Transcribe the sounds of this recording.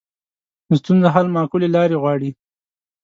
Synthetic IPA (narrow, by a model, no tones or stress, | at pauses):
st̪unzaɦalmɑkulelɑɾeɣwɑɽi